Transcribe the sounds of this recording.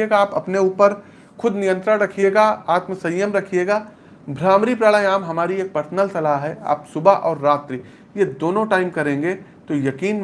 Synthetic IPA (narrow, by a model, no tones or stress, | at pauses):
eːɡaaːpɐpneuːpəɾ | xʊd̪nɪjə̃nt̪ɾəɾɐkʰijeːɡaaːt̪məsɐjːəmɾɐkʰijeːɡaː | bʱɾaːmɾipɾaɭəj̃aːmɦɐmaːɾieːk̚pɐɾsənəlsɐlaɦɦɛa̰ːpsʊbaʔɔːɾːaːt̪ɾiː | jed̪oːnõʈaːɪmkɐɾẽːŋɡe | t̪ojɐkiːn